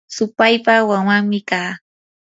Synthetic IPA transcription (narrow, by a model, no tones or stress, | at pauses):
sʊpajpawaŋwaŋmɪkaː